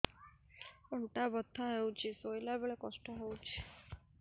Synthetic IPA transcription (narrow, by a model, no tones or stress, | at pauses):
ɔɳʈabɔd̪ʱːaɦewt͡ʃʰisojlabeɭekɔsʈɔɦewt͡ʃʰi̥